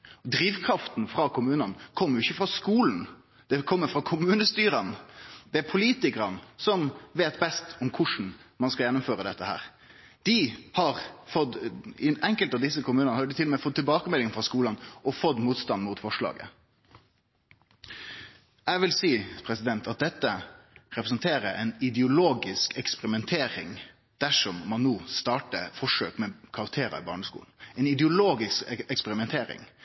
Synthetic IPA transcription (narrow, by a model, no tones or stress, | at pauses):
d̪ɾiːʋkʰɾɑft̪n̩fɾɑkʰʊmʉːnɑnkʰɔmːəɾɪçəfɾɑskuːln̩ | d̪̥ɛkʰɔmːəɾfɾɑkʰʊmʉːnəst̪yːɾənd̪̥ɛæɾpʰʊliːt̪ɪkəɾənsɔmʋeːt̪bɛst̪ɔmkʰʊʂn̩mɑnskɑljɛnːʊmføːɾəd̪ɛt̪ːəhæ̰ːɾ | d̪̥ɪhɑɾfɔd̪ɪɛŋkəlt̪ɑʋd̪ɪsːəkʊmʉːənəhɑɖɪt̪ʰɪlɔmɛfɔt̪ːɪlbɑːkəmɛlːɪŋfɾɑskuːlənʔɔfɔt̪ːmuːt̪st̪ɑnmʊt̪fɔʂɭɑ̰ːɡə̰ | ɛɡʋɪlsiːpʰɾɛsɪd̪ɛnt̪ʰɑt̪̚d̪ɛt̪ːə | ɾɛpɾəsənt̪ʰeːɾəʔɛɪnɪd̪əʊloːɡɪskɛkspɛɾɪmɛnt̪ʰeːɾɪ̰ŋ | d̪̥æʂɔmːɑnːoːst̪ɑːʈə̰fɔʂøːkmɛkʰɑɾɑk̚t̪ʰeːɾɑ̰ɪ̰bɑ̰ːɳəskṵːln̩ɛɪnɪd̪əʊloːɡɪskɛkspɛɾɪmɛnt̪ʰeːɾɪ̰ŋ